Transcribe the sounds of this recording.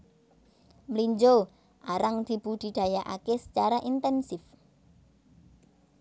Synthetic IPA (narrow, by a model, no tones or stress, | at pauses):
mliɲd͡ʒo | ʔaɾaŋd̪̥i̤b̥ṳd̪̥i̤d̪̥a̤jaʔa̰kesə̥t͡ʃaɾaʔint̪ɛnsɪf